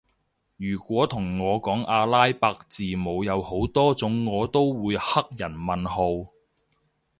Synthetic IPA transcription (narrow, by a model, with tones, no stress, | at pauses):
jyː˨˩kʷɔː˨˥t̪ʰʊ˨˩ŋːɔː˨˧kɔː˨˥ŋʔaː˧laː˥jpaː˧k̚t͡siː˨mo˨˧wjɐ˨˧who˨˥wt̪ɔː˥t͡sʊ˨˥ŋːɔː˨˧t̪o˥wwuː˨˧jhɐ˥k̚jɐ˨˩nmɐ˨nho˧w